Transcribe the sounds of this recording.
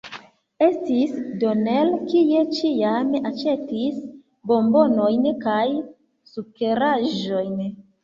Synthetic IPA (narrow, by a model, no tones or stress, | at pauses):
e̞stisdonelkije̞t͡ʃijamʔat͡ʃe̞tis | bo̞mbo̞nojnkaj | sukeɾaʒo̞jn